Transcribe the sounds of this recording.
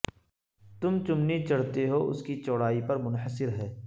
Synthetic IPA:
t̪ʊmt͡ʃʊmnit͡ʃɐɽ̤t̪eɦoʔʊ̰skit͡ʃɔːɽaːipɐɾmʊnɦəsɪɾɦɛː

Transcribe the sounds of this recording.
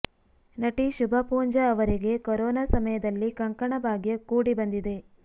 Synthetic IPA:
nɐʈiʃubʱɐpuːɲd͡ʒɐːʋɐɾiɡe̞kɐɾɔːnaːsɐmɐjɐd̪ɐlːikɐŋkɐɳɐbʱaːɡjɐkuːɽibɐnd̪id̪e̞

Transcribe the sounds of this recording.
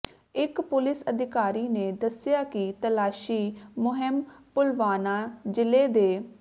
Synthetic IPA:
ɪkpʊlɪsəd̪ɪkaːɾiːneːd̪əsɪjaːkɪt̪əlaːʃiːmʊɦɪmpʊlʋaːnaːd͡ʒɪleːd̪eː

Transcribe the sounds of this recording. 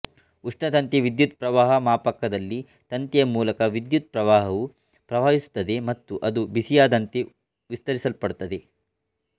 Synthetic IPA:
uʂɳɐt̪ɐnt̪iʋid̪jut̪̚pɾɐʋaːɦɐmaːpɐkːɐd̪ɐlːi | t̪ɐnt̪jɐjɐmuːlɐkɐʋid̪jut̪̚pɾɐʋaːɦɐʋu | pɾɐʋaːɦisu̥t̪ːɐd̪e̞mɐt̪ːuʔɐd̪ubisijaːd̪ɐnt̪e | ʋist̪ɐɾisɐlpɐɽut̪ːɐd̪e̞

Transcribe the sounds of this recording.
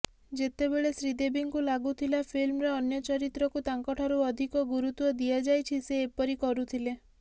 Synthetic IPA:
d͡ʒet̪ebeɭesɾid̪ebiŋkulaɡut̪ʰilapʰilmɾeɔnjɔt͡ʃɔɾit̪ɾɔkut̪aŋkɔʈʰɔɾuɔd̪ʱikɔɡuɾut̪wɔd̪iad͡ʒajt͡ʃʰiseːpɔɾikɔɾut̪ʰile

